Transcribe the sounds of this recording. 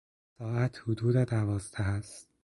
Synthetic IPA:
sɒːæt̪ʰhud̪uːd̪ed̪ævɒːzd̪æhæst̪̚

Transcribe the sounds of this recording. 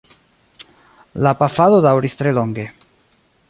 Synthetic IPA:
lapafaðodawɾist̪ɾeloŋɡe

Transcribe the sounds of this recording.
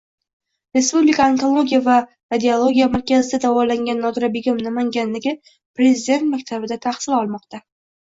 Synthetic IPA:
ɾe̞spublɪkʰaːŋkolˠo̞ɡʲijava | ɾad̪ʲeolˠo̞ɡʲijamaɾkʲazɪd̪ad̪avɒlaŋɡʲanːɒɡ̪ɾabɪɡʲɪmnamaŋɡʲanlɪɡʲɪ | pɾe̞zɪd̪e̞nt̪makʲt̪ʰabɪd̪at̪ʰaχsɪlɒlˠmɒqt̪ʰa

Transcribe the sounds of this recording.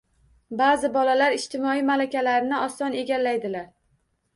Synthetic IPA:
bazɪbɒlalaɾɪʃt̪ʰɪmɒijmalakʲalaɾɪnɪɒsɒne̞ɡʲalːajd̪ɪlaɾ

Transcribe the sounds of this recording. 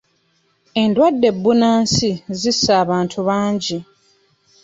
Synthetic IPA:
e̞ndwadːe̞bːunaːnsizisːaːβaːntʰuβaːɲɟi

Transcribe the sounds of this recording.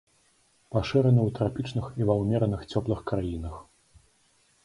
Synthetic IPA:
paʂɨɾɐnɨwt̪ɾapʲit͡ʂnɨxivawmʲɛɾɐnɨxt͡sʲɔplˠɨxkɾajinɐx

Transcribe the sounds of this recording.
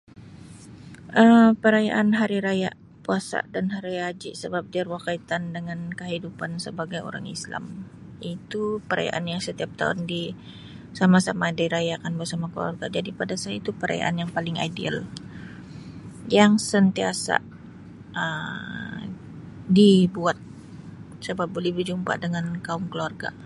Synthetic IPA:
ʔəmpəɾaja̰ʔanɦaɾiɾajaʔ | puasa̰ʔdanɦaɾiad͡ʒiʔsəbap̚dərwakait̪andəŋankəɦidupansəbaɡajo̰ɾa̰ŋḭsla̰m | ʔit̪upəɾa̰ja̰ʔanjaŋsət̪iap̚t̪a̰ʊ̰ndi | samasamadaɾajakanbərsamakəlṵa̰rɡa̰d͡ʒadipadasaait̪upəɾa̰ja̰ʔa̰njaŋpalɪŋa̰dḭa̰l | jaŋsənt̪iasa̰ | ʔə | dibuat̪̚ | səbap̚bolɛhbəd͡ʒumpa̰dəŋankaʊŋkəluarɡa̰

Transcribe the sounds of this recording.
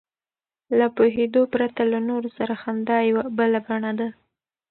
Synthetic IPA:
lapoɦed̪opɾat̪alanoɾosaɾahamd̪ɑjawabəlaɡaɳad̪a

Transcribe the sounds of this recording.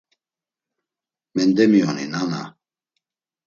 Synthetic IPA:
mɛnd̪ɛmiɔninana̰

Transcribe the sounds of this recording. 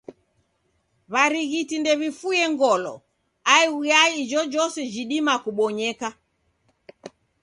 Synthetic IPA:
βaɾiɣitindɛβifujɛŋɡɔlɔ̰ | aiujaid͡ʒɔd͡ʒɔsɛd͡ʒiɗimakuɓɔɲɛka

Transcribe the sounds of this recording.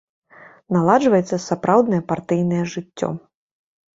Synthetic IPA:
nalˠad͡ʐvɐjɛt̪sːɐsapɾawd̪nɐjɛpart̪ɨjnɐjɛʐɨt͡sʲːɔ̰

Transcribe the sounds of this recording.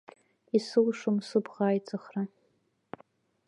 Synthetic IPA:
isɨlʂʊmsɨbʁaːjt͡sʼaχra

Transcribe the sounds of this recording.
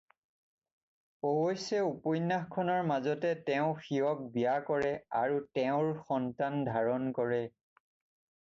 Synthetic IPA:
owojsɛupɔjnːaxkʰːɔnɔɹmazɔtɛtɛʊ̃xiɔk̚bijakɔɹɛa̰ɹutɛʊ̃ɹxɔntandʱaɹɔnkɔɹɛ

